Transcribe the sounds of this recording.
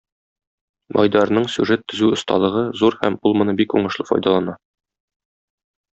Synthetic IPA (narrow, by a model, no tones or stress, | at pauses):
mʔɒ̰jd̪ɑɾnɤɴsʲjʉʐet̪ːɵ̆zʉŏst̪ɑ̰lˠɤ̆ʁɤzuɾhæmulˠmɤ̆nɤbikṵɴɤ̆ʃlˠɤfɒ̰jd̪ɑlˠɑnɑ